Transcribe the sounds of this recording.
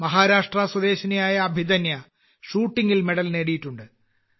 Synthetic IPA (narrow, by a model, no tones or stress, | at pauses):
mɐɦaːɾaːʂʈrɐswɐd̪e̞ːɕɐnɐjaːjɐːbʱid̪ɐnjɐ | ʂuːʈːiŋɡilme̞ɽɐlneːɽijiʈːuɳɖɨ